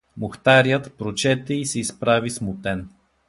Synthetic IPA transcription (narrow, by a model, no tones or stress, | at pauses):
moxt̪aɾjət̪pɾot͡ʃɛt̪ɛisɛispɾavismʊt̪ɛn